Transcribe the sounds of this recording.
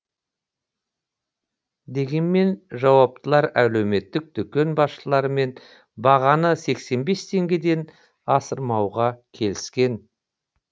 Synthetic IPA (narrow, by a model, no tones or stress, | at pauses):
d̪e̞ɡʲe̞nme̞nʒɑwɑp̚t̪əlˠɑɾælewme̞t̪ːɪk̚d̪ʏkʲe̞nbɑsʃəlˠɑɾəme̞n | bɑʁɑnəse̞kse̞nbe̞st̪ʰe̞ŋɡʲe̞d̪e̞n | ɑsəɾmɑwʁɑkʲʰe̞lɪskʲe̞n